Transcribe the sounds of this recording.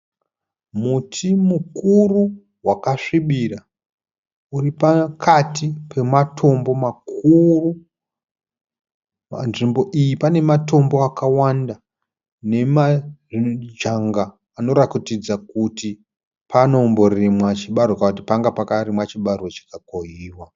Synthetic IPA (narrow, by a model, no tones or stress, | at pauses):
mutʰimukuru | wakaʂiɓira | uripakʰatʰipʰe̞matʰo̞mbo̞makuru | ma̰nʐimbo̞ʔijipane̞mato̞mbo̞akawanda | ne̞maʐd͡ʒaŋɡaː | no̞ɾakitid͡zakuti | pano̞mbo̞rrimwat͡ʃiɓarokauti̥paŋɡapakaɾimwat͡ʃiɓarot͡ʃi̥kakoiːwa